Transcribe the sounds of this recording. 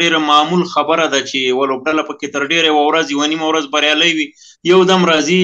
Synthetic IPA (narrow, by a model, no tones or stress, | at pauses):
eɾamamulxabəɾad̪at͡ʃewalob̚ɖalapəket̪əɾɖeɾajawawɾazjɪwanimawɾazbaɾjɑləjwi | jawd̪amɾɑzi